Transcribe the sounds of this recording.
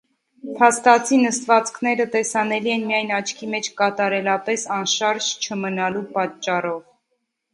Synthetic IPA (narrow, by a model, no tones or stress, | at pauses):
pʰɑst̪ɑt͡sʰinəst̪vɑt͡skʰnɛɾət̪ɛsɑnɛliɛnmijɑjnɑt͡ʃʰkʰimɛt͡ʃʰkɑt̪ɑɾɛlɑpɛsɑnʃɑɾʒt͡ʃʰəmənɑlupɑt͡ʃːɑrɔv